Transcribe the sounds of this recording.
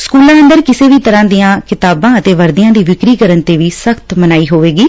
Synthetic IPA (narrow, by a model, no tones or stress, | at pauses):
skuːlãːə̃nd̪əɾkɪseːʋiːt̪əɾãːd̪ijãːkɪt̪aːbãːət̪eːʋəɾd̪ɪjãːd̪iːʋɪkɾiːkəɾənt̪eːʋiːsəkʰt̪mənaːiːɦoːʋeːɡiː